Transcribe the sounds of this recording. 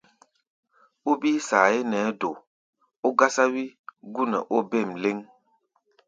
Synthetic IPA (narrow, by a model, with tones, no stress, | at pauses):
o˦biː˦sa˨e˦nɛː˨˦do˨ | o˦ɡa˦sa˦wi˦ɡu˦nɛ̰˨ʔo˦be˦˨mle˦ŋ